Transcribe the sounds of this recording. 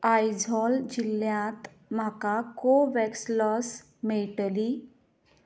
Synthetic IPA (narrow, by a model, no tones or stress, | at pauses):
ajd͡zɔld͡ʑiljãt̪ | makakoʋɛkslɔs | meʈəli